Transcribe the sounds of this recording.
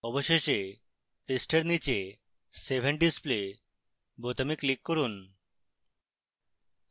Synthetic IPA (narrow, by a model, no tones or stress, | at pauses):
ɔboʃeʃe | isʈeɾnit͡ɕe | sebʱeɳɖisple | bot̪amiklikːoɾun